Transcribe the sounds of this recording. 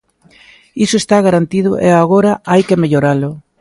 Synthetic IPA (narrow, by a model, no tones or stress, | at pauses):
isoest̪aɣaɾant̪iðʊʔḛaɣ̞oɾaajkemeʎoɾalʊ